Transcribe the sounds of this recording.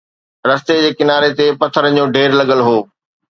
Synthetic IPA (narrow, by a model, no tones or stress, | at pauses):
ɾɐst̪ed͡ʑeːkɪnaːɾet̪epɐt̪ʰəɾəd͡ʑõːɖʱeːɾlɐɠəlɦoː